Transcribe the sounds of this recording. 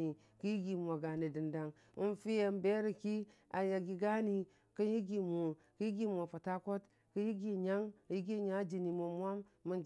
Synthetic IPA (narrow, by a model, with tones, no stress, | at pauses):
i˨ | ki˦ji˦ɡi˨mʷ˨a˨ɡa˨ni˨di˨nda˨ŋ | u˦n˦fi˦je˨˦m˦be˦ɾi˨ki˦a˨ja˨ɡi˨ɡa˦ni˨ | kə˦ji˦ɡi˨mo˨ | ki˦ji˦ɡi˦mʷ˨o˨fa˨ta˦ko˦t | kə˦ji˦ɡi˦ɲa˦ŋ˦ji˦ɡi˦ɲa˦d͡ʒi˨ni˨mo˨mwa˦mːu˦nd͡ʒ